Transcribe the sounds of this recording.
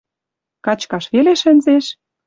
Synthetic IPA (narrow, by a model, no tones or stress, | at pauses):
kɑt͡ɕkɑʃβeleʃɘ̆nzeʃ